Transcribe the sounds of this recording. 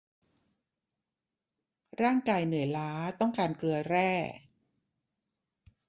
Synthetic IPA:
ɾaː˥˩ŋkaː˧jnɯ˩˦jlaː˦˥t̪ɔ˥˩ŋkaː˧nklɯ˧ɐɾɛː˥˩

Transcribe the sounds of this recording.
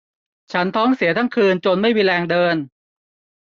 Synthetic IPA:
t͡ɕʰa˦˥nt̪ʰɔː˦˥ŋsi˨˩˦t̪ʰa˥˩ŋkʰɯː˧nt͡ɕo˧nma˥˩jwiː˧lɛː˧ŋdɤː˧n

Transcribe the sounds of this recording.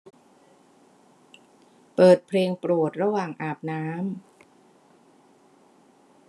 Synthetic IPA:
pɤː˨˩t̪̚pʰleː˧ŋpɾu˨˩ət̪̚ɾa˧waː˨˩ŋʔaː˨˩p̚naː˦˥m

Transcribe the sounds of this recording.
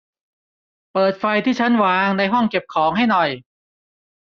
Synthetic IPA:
pɤː˨˩t̪̚fa˧jt̪ʰiː˥˩t͡ɕʰa˦˥nwaː˨˩˦ŋna˧jɦɔ˥˩ŋke˨˩p̚kʰɔː˩˦ŋɦa˥˩jnɔ˨˩j

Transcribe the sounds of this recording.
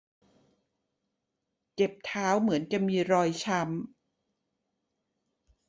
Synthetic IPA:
ke˨˩p̚t̪ʰaː˦˥wmɯ˩˦ənka˧˩miː˧ɾɔː˧jt͡ɕʰa˦˥m

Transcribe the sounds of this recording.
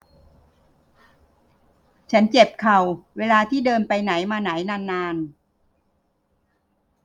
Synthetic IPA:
t͡ɕʰa˦˥nt͡ɕe˨˩p̚kʰa˨˩wweː˧laː˧t̪ʰiː˥˩dɤː˧npa˧jna˩˦jmaː˧na˩˦jnaː˧nːaː˧n

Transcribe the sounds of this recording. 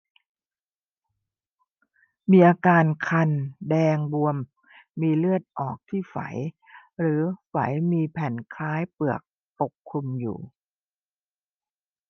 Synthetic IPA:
miː˧ʔaː˧kaː˧nkʰa˧ndɛː˧ŋbu˧əmː | iː˧lɯ˥˩ət̪̚ʔɔː˨˩k̚t̪ʰiː˥˩fa̰˩˦j | ɾɯː˩˦fa̰˩˦jmiː˧pʰɛ˨˩nkʰaː˦˥jpɯ˨˩ək̚ | po˨˩kʰːu˧mjṵː˨˩

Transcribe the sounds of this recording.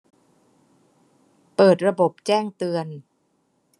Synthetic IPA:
pɤː˨˩t̪̚ɾa˧bo˨˩p̚t͡ɕɛː˥˩ŋt̪ɯ˧ən

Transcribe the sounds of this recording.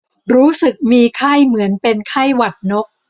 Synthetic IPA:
ɾuː˦˥sɯ˨˩k̚miː˧kʰa˥˩jmɯ˩˦ənpe˧nkʰa˥˩jwa˨˩t̪̚no˦˥k̚

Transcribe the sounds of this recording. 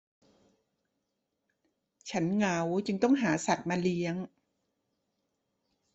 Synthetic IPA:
t͡ɕʰa˦˥nŋa˦˥wt͡ɕɯ˧ŋt̪ɔ˥˩ŋɦaː˩˦sa˨˩t̪̚maː˧li˦˥əŋ

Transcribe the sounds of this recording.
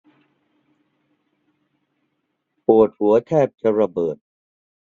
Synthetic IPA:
pu˨˩ət̪̚hu˩˦ɐt̪ʰɛː˥˩p̚t͡ɕa˧ɾa˧bɤː˨˩t̪̚

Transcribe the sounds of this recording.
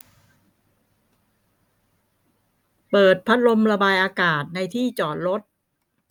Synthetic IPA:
pɤː˨˩t̪̚pʰa˦˥t̪̚ɾo˧mɾa˧baː˧jʔaː˧kaː˨˩t̪̚na˧jt̪ʰiː˥˩t͡ɕɔː˨˩t̪̚ɾo˦˥t̪̚

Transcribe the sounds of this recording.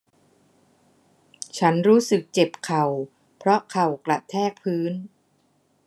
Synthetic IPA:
t͡ɕʰa˦˥nɾuː˦˥sɯ˨˩k̚t͡ɕe˨˩p̚kʰa˨˩w | pʰɾɔ˦˥kʰa˨˩wkla˨˩ʔt̪ʰɛː˥˩k̚pʰɯː˦˥n

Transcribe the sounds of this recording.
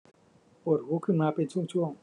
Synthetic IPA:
o˧˩ɾhuː˨˦kʰɯ˥˨ŋmaː˧˩pe˧˨nsʰu˥˨ŋt͡ɕʰu˥˩ə˨ŋ

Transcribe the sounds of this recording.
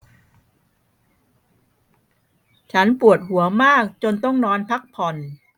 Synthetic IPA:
t͡ɕʰa˦˥npu˨˩ət̪̚hu˩˦ɐmaː˥˩k̚t͡ɕo˧nt̪ɔ˥˩ŋnɔː˧npʰa˦˥k̚pʰɔ˧n

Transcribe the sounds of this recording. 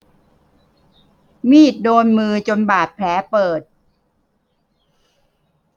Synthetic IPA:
miː˥˩t̪̚doː˧nmɯː˧t͡ɕo˧nbaː˨˩t̪̚pʰlɛː˩˦pɤː˨˩t̪̚

